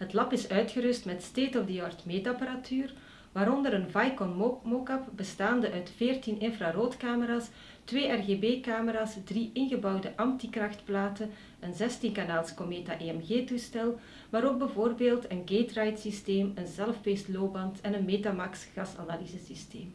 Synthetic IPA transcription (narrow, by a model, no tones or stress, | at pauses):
ɦətlɑpɪsœɥtxəɾʏstmɛtsteːtɔvdəjɑrtmeːtapaɾatʰyːr | ʋaːɾɔndəɾənvajkɔnmokɑpbəstaːndəʔœɥtfeːrtinɪnfraːroːtkaːməɾaːs | tʋeːʔɛrɣeːbeːkaːməɾaːsdriʔɪnɣəbɑwdəʔɑmtikrɑxtplaːtə | ənzɛstinkanaːlˠskomeːtaʔeːɛmɣeːtustɛlˠ | ʋaːɾoːɡ̚bəvoːrbeːlˠtənɡeːtrajtsisteːmənzɛləfpeːstloːbɑntɛnənmeːtamɑksɣɑsa̰naːlizəsisteːm